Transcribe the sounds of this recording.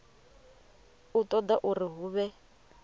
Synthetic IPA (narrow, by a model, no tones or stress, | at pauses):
utʼɔd̪aʔuriɦuːβɛ